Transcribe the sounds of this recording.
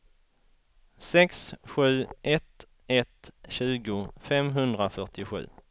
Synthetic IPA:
sɛksɧʉ̟ːɛt̪ | ɛt̪ɕʉ̟ːɡʊfɛmɦɵnd̪ɾafœʈɪɧʉ̟̰ː

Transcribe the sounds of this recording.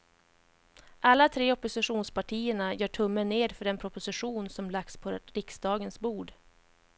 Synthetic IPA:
ʔalːat̪ʰɾeːɔpːʊsɪɧuːnspaʈʰiːəɳajœːʈʰɵmːənːeːd̪fœɖɛnpʰɾʊpʊsɪɧuːnsɔmlak̚spʰɔɾɪksd̪ɑːɡənsbuːɖ

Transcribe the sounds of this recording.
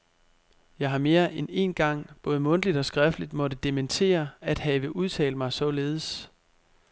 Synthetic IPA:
jɑ̈ɪɦɑ̈me̝ːɐʔene̝̰nɡ̥ɑ̈ŋ̰b̥ɔ̽ːð̞ˠmɔ̽nd̥lid̥ɒ̽sɡ̥ʁafdəlid̥mɒ̽dəd̥e̝ment͡sʰe̝̰ːɐæd̥hɛʋəʔuð̞ˠt͡sʰɛ̰ːləmɑ̈ɪsɒ̽le̝ːð̞ˠs

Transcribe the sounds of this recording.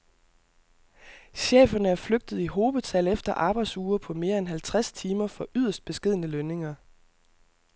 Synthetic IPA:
ɕḛːfɐnəæɐfløɡ̥̚d̥ð̞̩ˠiɦo̝ːʋð̩ˠt͡sʰælefd̥ɐʔɑ̈ːb̥ɑ̈ɪd̥suːɐpʰɒ̽me̝ːɐenɦælt͡sʰʁast͡sʰiːmɐfɒ̽ʔyð̞̰ˠɐsd̥̚b̥e̝sɡ̥e̝ð̰ˠnəløne̝ŋɐ

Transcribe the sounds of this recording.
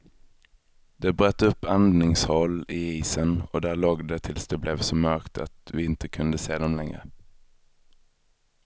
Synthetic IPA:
d̪̥ɛbɾœːt̪ːɵpːand̪nɪŋshɔlːɪiːsənɔd̪æːɭoːɡd̪ɛt̪ʰɪlsd̪ɛblɛvsɔmœɾkt̪ʰa̰t̪vɪɪnt̪əkʰɵnd̪əseːd̪ɔmlɛŋɾə̰

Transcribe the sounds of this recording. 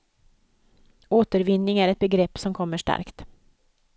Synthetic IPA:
oːt̪əɾvɪnːɪŋæɾɛt̪̚bɛɡɾɛpːsɔmkʰɔmːəʂʈa̰ɾkt̪

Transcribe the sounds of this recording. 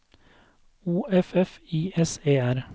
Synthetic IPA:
uːɛfɛfiːɛseːæɾ

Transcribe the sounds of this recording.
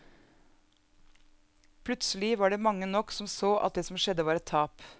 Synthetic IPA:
pʰlʉt̪slɪʋɑːɖeːmɑŋːənɔksɔmsoːʔɑ̰t̪̚d̪eːsɔmʃɛd̪əʋɑːɾɛt̪ʰːɑːp

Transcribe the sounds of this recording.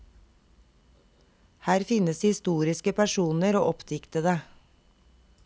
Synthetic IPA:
hæːɾfɪnəshɪst̪uːɾɪskəpʰæʃuːnəɾo̰ːʔɔpt̪ʰɪkt̪əd̪eː

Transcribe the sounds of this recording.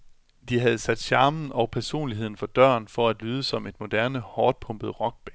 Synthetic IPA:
d̥iɦæð̞̩ˠsæd̥ɕɑ̈ːmn̩ɒ̽ʊpʰæɐso̝̰ːnliɦe̝ð̰ˠn̩fɒ̽d̥ɶ̰ɐnfɒ̽æd̥lyːð̞ˠəsɒ̽me̝d̥mo̝d̥æɐnəhɒːd̥̚pʰɔ̽mb̥əðˠʁɒ̽ɡ̥̚b̥ɛ

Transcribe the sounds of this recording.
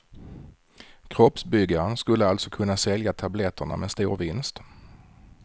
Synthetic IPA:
kʰɾɔpsbʏɡːaɾənskɵlːəalt̪sɔkʰɵnːasɛljat̪ʰablɛt̪ʰːəɳa̰mɛst̪ṵːɾvɪnst̪

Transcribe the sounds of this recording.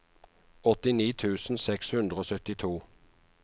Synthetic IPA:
ɔt̪ɪniːt̪ʰʉːsn̩sɛkshʉnd̪ʁəoːsœt̪ɪt̪ʰuː

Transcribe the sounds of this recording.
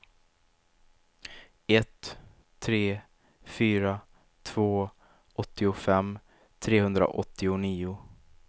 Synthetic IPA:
ɛt̪ʰː | ɾeː | fyːɾa | t̪ʰv̥oː | ʔɔt̪ːɪʊfɛmː | t̪ʰɾeːhɵnd̪ɾa̰ʔɔt̪ːɪʊniːʊ

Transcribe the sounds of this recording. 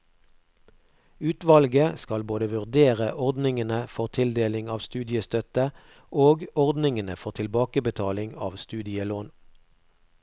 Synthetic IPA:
ʉːt̪ʋɑlɡəskɑlboːd̪əʋʉʁd̪eːʁəʔɔʁd̪nɪŋənəfɔʁt̪ʰɪld̪eːlɪŋɑːʋst̪ʉːd̪ɪəst̪œt̪ə | ʔoːɡɔʁd̪nɪŋənəfɔʁt̪ʰɪlbɑːkəbət̪ʰɑːlɪŋɑ̰ːʋst̪ʉːd̪ɪəloːn

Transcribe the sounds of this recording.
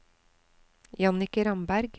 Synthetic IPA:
jɑnɪkəɾɑmbæɾɡ

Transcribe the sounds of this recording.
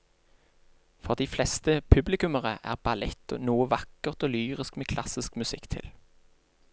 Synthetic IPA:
fɔʁd̪iːflɛst̪əpʰʉblɪkʉməʁəʔæ̰ːʁbɑlɛt̪ːo̰nuːəʋɑkəʁt̪oːlyːʁɪskmeːkʰlɑ̰sɪskmʉsɪkt̪ʰɪ̰l

